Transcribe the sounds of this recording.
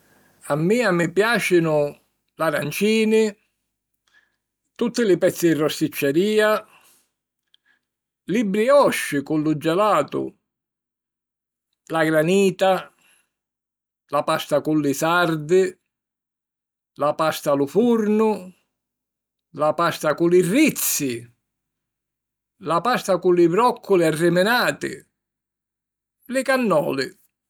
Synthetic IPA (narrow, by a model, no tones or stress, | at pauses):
amːiːamɪpjaːt͡ʃɪnʊ | laɾant͡ʃiːnɪ | t̪ut̪ːɪlɪpɛt̪sːɪɪrːɔst̪it͡ʃːɛɾiːa | libːɾiɔʃːɪkʊlːʊd͡ʒːɛlaːt̪ʊ̰ | laɡɾaniːt̪a | lapast̪akʊlːɪsaɾd̪ɪ | lapast̪alʊfuɾnʊ | lapast̪akʊlɪrːit̪sːɪ | lapast̪akʊlɪbɾɔkʰːʊlɪarːɪmɪnaːt̪ɪ̰ | lɪkanːɔ̰ːlɪ